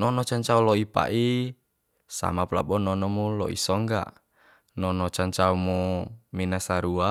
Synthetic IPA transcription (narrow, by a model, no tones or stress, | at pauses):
nɔnɔt͡ʃaɲt͡ʃaulɔipa̰ʔi | sa̰mapula̰bɔnɔnɔmulɔ̰ʔḭsɔŋɡa̰ | nɔnɔt͡ʃaɲt͡ʃaumɔminasaɾua